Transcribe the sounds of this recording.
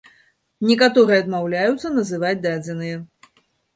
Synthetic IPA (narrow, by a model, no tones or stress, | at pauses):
nʲɛkat̪ɔɾɨjɛɐd̪mawlʲajut̪sːɐnɐzɨvat͡sʲd̪ad͡zʲɛnɨjɛ